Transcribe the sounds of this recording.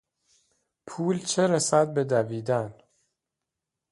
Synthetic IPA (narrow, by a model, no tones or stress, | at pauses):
pʰuːlt͡ʃʰeɾesæd̪̚be̞d̪æviːd̪æn